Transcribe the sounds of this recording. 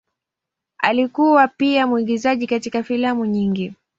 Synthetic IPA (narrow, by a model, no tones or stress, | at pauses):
a̰likuwapiamwiɠizaʄikatikafilamuɲiŋɡi